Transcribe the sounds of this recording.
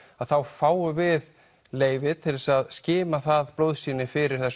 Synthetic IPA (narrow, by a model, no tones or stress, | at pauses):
aðθawfaːwʏvɪð | leːjvɪt̪ʰɪlsaðscɪːmaθaðplowðsiːnɪfɪɾɪɾ̥θɛs